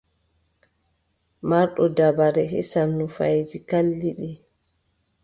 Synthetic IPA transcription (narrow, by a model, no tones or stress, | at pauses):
maɾɗɔdabaɾɛɦɛ̰sanːufajd͡ʒikalːiɗi